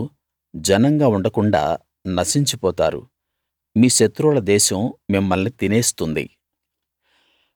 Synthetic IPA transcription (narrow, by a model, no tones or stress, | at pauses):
d͡ʒɐnɐŋɡaːuɳɖɐkuɳɖa̰ː | nɐsiɲt͡ʃipɔːt̪aːɾṵ | miːʃɐt̪ːɾulɐd̪ɛːʃɐmmimːɐlnit̪ineːst̪und̪ḭ